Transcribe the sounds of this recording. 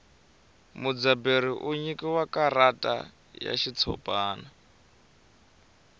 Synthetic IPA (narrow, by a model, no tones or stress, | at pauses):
mud͡zabeɾiʔuɲikiwakaɾatʼa̰ | ja̰ʃit͡sʰɔ̰pʼaːna